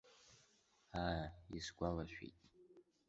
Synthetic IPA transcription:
aisɡʷalaʃᶣḭtʼ

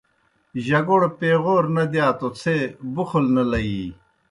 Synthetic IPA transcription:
ʑɐɡoɽpeːɣoːɾnɐd̪jaːt̪ot͡sʰebuxulnɐlɐji

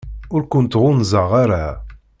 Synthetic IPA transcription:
ʊɾkʊnt̪ʁʊnzəʁaɾa

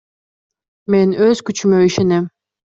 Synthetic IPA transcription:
menøz̥kyt͡ʃymøiʃenem

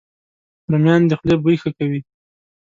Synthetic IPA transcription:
ɾamjɑnd̪əxlebujxakawi

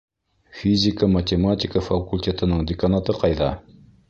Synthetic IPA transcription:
fizikʰamat̪emat̪ikafakult̪ʰet̪ʰənəŋd̪ekʰanat̪əqʰɑjd̪a

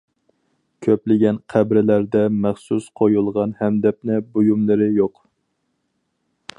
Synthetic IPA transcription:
kʲʰøplɪɡʲɛnqʰæbɾɪlæɾd̪ɛmæχsusqʰojulˠʁɑnhɛmd̪ɛp̚nɪbojumlˠɨɾɨjoq

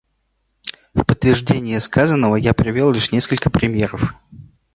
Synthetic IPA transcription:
fpət̪ːvʲɪrʐdʲenʲɪjəskazənːəvəjapɾʲɪvʲe̞lˠlʲiʂnʲe̞skəlʲkəpɾʲɪmʲje̞ɾəf

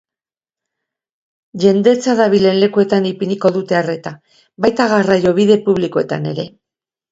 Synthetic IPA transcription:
ʝe̞nd̪e̞t͡saðaβile̞nle̞kue̞t̪anipiniko̞ðut̪e̞are̞t̪a | bajt̪aɣarajo̞β̞iðe̞puβlikoe̞t̪a̰ne̞ɾe̞

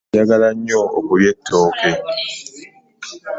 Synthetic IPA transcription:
aɡalaɲɔo̰kojɛtʰɔːkɛ

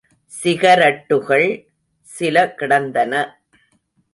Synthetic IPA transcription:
sɪɣɐɾɐʈːɯɣɐɭ | sɪlɐkɪɽɐnd̪ɐnɐ

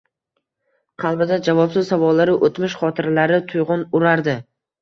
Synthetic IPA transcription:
qʰɑlˠbɪd̪ad͡ʒavɒpsɪzsavɒlːaɾɪʔot̪mɪʃχɒt̪ʰɪɾlaɾɪt̪ʰʊjʁʊnʊɾaɾd̪ɪ

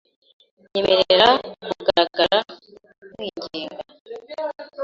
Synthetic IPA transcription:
ɲemʔe̞ɾeeɾakuɡaɾaɡaɾa | mwiːɲɟiːŋɡa

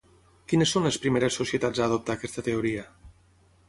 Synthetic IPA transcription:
kinəsːonləspɾimeɾəsusiet̪ad͡zaːð̞op̚t̪aːkɛst̪ət̪eoɾiə

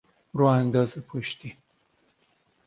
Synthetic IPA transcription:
ɾoand̪ɑzapʰoʃt̪i

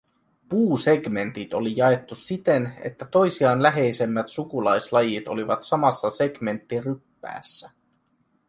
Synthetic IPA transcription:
puːse̞ɡme̞nt̪it̪o̞lijɑe̞t̪ːusit̪e̞ne̞̰t̪ːæt̪o̞jsiɑːnlæɦe̞jse̞mːæt̪sukulɑjslɑjit̪o̞̰liʋɑt̪sɑmɑsːɑse̞ɡ̥me̞nt̪ːirypːæ̰ːsːæ

